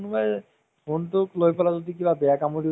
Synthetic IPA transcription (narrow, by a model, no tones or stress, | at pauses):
nubaj | montuklojpɔlazod̪ikibabɛakamoɾi